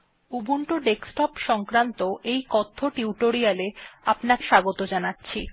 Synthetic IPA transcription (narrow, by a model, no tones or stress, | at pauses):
ubuɳʈoɖeksʈɔpʃɔŋkɾant̪oʔejkɔt̪ʰːoʈiuʈoɾialeapnakʃaɡot̪od͡ʑanatːɕʰi